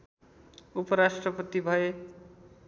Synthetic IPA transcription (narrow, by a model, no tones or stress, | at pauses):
upʌɾasʈrʌpʌt̪ibʱʌe